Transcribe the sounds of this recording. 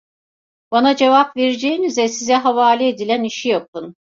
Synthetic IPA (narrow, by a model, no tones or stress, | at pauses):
banad͡ʒe̞vapveɾid͡ʒejinizɛsizɛɦavaːlʲɛed̪ilʲæniʃijap̚ɯn